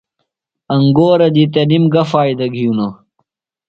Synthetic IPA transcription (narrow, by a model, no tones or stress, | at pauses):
ɐŋɡoːɾɐd̪it̪ɐnimɡɐfaːjd̪ɐɡʱijuno